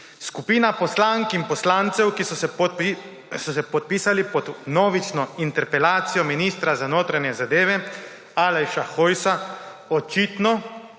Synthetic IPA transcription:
skupiːnapɔslaːŋkinpɔslaːnt̪sɛwkisɔ | sɔsɛpɔt̪̚piːsalipɔd̪noːʋit͡ʃnɔint̪ɛɾpɛlaːt̪sijɔminiːst̪ɾazanoːt̪ɾaɲɛzad̪eːʋɛ | aːlajʃaxojsaɔt͡ʃiːt̪nɔ

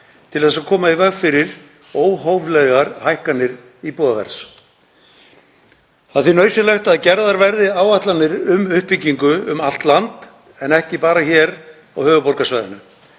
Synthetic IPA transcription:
t̪ʰɪlθɛs̬ːakʰɔːmaivɛɣfɪɾɪɾ | oːwɦowvlɛɣaɾhajhkanːɪɾ | ipɔːðavɛ̰ɾs | θaðθinœːɥsɪlɛxt̪aðcɛɾðaɾvɛɾðɪaːwaht̪lanːɪɾʏmʏhpːicːiŋkʏʏmal̥t̪lant̪ | ɛnɛhcɪpaːɾaçɛɾ | aɣhœːvʏpɔɾkasvaːjðɪnʏ

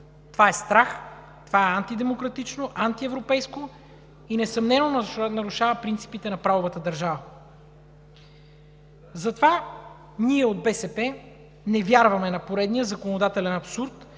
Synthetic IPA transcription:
t̪ovaɛst̪ɾax | t̪ovaɛant̪id̪ɛmokɾɐt̪it͡ʃnoʔant̪iɛvɾopɛjsko | inɛsɐmnɛnonɐɾʊʃavəpɾint̪si̥pit̪ɛnɐpɾavovət̪əd̪ɐɾʒavə | zɐt̪ova | niɛod̪̚bɛsɛpɛ | nɛvʲjaɾvɐmɛnɐpoɾɛd̪nijəzɐkonod̪at̪ɛlɛnɐpsuɾt̪

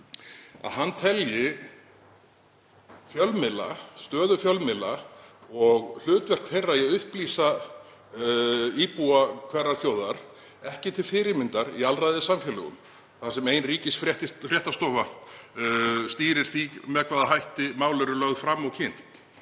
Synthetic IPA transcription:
a̰ðhant̪ʰɛljɪ | fjœlmɪla̰st̪œːðʏfjœlmɪlːaɔɣl̥ʏːt̪vɛr̥kθejrːajɛðʏhpliːsa | iːpuakʰvɛrːaɾ̥θjoːwðaɾ̥ | ɛhcɪt̪ʰɪlfɪɾɪmɪnt̪aɾialrajðɪsamfjɛlʏɣʏ̰m | θasɛmeːjnriːcɪsfɾɛht̪ɪfɾjɛht̪ast̪ɔːva | st̪iːɾɪɾ̥θimɛðkʰvaːðaɦajht̪ɪmaːwlœɾʏlœɣðfɾamːɔɣcʰɪn̥t̪

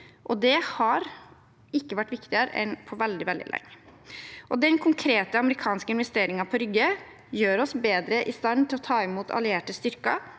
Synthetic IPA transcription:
ʔɔd̪ɛhɑɾ | ɪkːəʋæʈːʋɪkt̪ɪəɾə̰ʔɛ̰npʰɔʋɛld̪ɪʋɛld̪ɪ̰lɛ̰ŋː | ʔɔd̪ɛnkʰʊŋkʰɾeːt̪əɑməɾɪkʰɑːnskəɪnʋɛst̪eːɾɪŋɑpʰɔɾʏɡːə | jøːɾɔsbeːd̪ɾəʔɪst̪ɑnt̪ʰɪlɔt̪ʰɑːɪmuːt̪ʰɑ̰lɪeːʈəst̪ʏɾkɑ

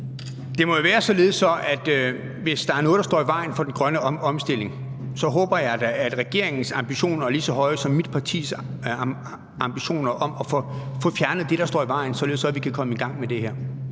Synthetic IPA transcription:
d̥e̝mɒjo̝ʋæːɐsɒ̽le̝ðˠsɒ̽ʔæd̥ | ʋe̝sd̥ɑ̈æɐnɔ̽ːð̩̥ˠɑd̥ɔ̰ːiʋɑ̈ɪ̰n̩fɒ̽d̥enɡ̥ʁɶnəɒ̽msd̥e̝l̰e̝ŋ | sɒ̽ɦɔ̽ːb̥ɐjɑ̈ɪd̥ææd̥ʁɛɡ̥e̝ɐ̰e̝ŋn̩sɑ̈mb̥iɕo̝̰ːnɐæɐlisɒ̽ɦɒ̽ɪəsɒ̽mːid̥̚pʰɑ̈t͡sʰḭːs | ɑ̈mb̥iɕo̝̰ːnɐʔɒ̽mɒ̽fɔfɔ̽fjæɐnð̩ˠd̥e̝ɾ̥ɑ̈sd̥ɒ̰ːiʋɑ̈ɪ̰n̩sɒ̽le̝ð̩ˠsɒ̽æʋikʰækʰɒ̽məiɡ̥ɑ̈ŋ̰med̥e̝hæɐ̰

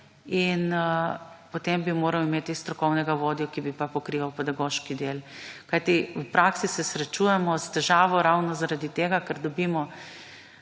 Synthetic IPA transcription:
in | pot̪embimoːɾɐwimeːt̪ist̪ɾɔkɔwnɛɡaʋoːd̪ijɔkibipapɔkɾiʋawpɛd̪aɡoːʃkid̪elkajt̪iwpɾaksisɛsɾɛt͡ʃuːjɛmɔst̪ɛʒaːʋɔɾawnɔzaɾad̪it̪eːɡakaɾd̪ɔbiːmɔ

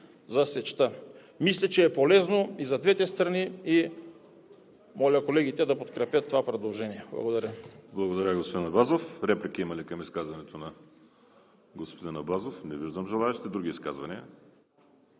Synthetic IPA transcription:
zɐsɛt͡ʃt̪a | mislʲɐt͡ʃɛːpolɛznoizɐd̪vɛt̪ɛst̪ɾɐnii | mɔlʲɐkolɛɡit̪ɛd̪ɐpot̪kɾɛpjət̪ːovapɾɛd̪olˠʒɛniɛblˠɐ̰ɡod̪ɐɾʲəblˠɐɡod̪ɐɾʲəɡospod̪inɐbazofɾɛplʲikiimɐlikɐmiskazvɐnɛt̪onɐ | ɡospod̪inɐbazofnɛviʒd̪əmʒɛlˠaɛʃit̪ɛd̪ɾuɡ̟ʲiiːska̰zvɐniə

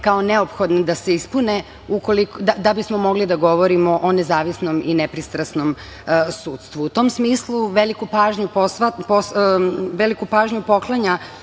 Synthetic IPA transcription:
kaoneopxo̞d̪nd̪aseispune | uko̞likd̪ad̪abismomo̞ɡlid̪aɡo̞ʋoɾimoʔone̞zaːʋisno̞minepɾist̪ɾasno̞m | suːt̪st̪ʋuːt̪o̞msmiːslˠuʋelikupaːʒɲuposʋaposʋelikupaːʒɲupo̞klˠaɲa

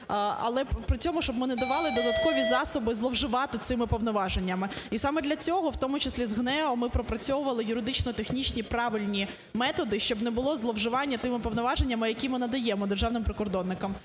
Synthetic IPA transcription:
ɐ̰lˠɛppɾɪt͡sʲɔmʊʃt͡ʃɔb̚mɪnɛd̪ɐʋɑlˠɪd̪ɔd̪ɐt̪kɔʋʲizɑsɔbɪzlˠɔwʒɪʋɑt̪ɪt̪sɪmɪpɔwnɔʋɑʒenʲːɐmɪisɑmɛd̪lʲɐt͡sʲɔɦɔwt̪ɔmʊt͡ʃɪslʲizɦnɛɔmɪpɾɔpɾɐt͡sʲɔwʊʋɐlˠɪjʊɾɪd̪ɪt͡ʃnɔt̪exnʲit͡ʃnʲipɾɑʋɪlʲnʲi | mɛt̪ɔd̪ɪʃt͡ʃɔbnɛbʊlˠɔzlˠɔwʒɪʋɑnʲːɐt̪ɪmɪpɔwnɔʋɑʒenʲːɐmɪjɐkʲimɪnɐd̪ɐjɛmɔd̪erʒɑwnɪmpɾɪkɔrd̪ɔnːɪkɐm

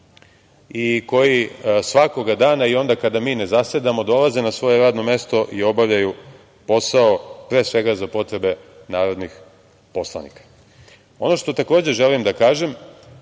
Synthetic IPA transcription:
iko̞jisʋako̞ɡad̪aːnaio̞nd̪akad̪amiːne̞zased̪amo̞d̪o̞laze̞nasʋo̞je̞ɾaːd̪no̞me̞st̪o̞ʔio̞baʋʎaju | po̞saopɾe̞ːsʋe̞ɡazapo̞t̪ɾe̞be̞naːɾo̞d̪nix | po̞slˠa̰nḭkḁ | o̞no̞ʃt̪o̞t̪akoːd͡ʑe̞ʒelimd̪akaːʒe̞m

